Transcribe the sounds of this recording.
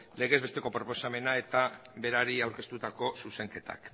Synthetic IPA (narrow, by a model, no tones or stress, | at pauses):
le̞ɣe̞zβe̞st̪e̞ko̞pɾo̞po̞same̞nae̞t̪abe̞ɾaɾiawɾke̞st̪ut̪ako̞suse̞ŋke̞t̪a̰k